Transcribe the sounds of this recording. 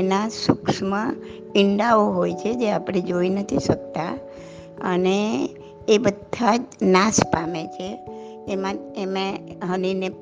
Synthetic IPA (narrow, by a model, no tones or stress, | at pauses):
enasuksmã | ɪɳɖaoɦojt͡ʃʰed͡ʒeapɽ̃ed͡ʒoinət̪ʰiʃək̚t̪a | əneː | bəd̪ʱad͡ʒnaspamet͡ʃʰeː | mãemẽɦənine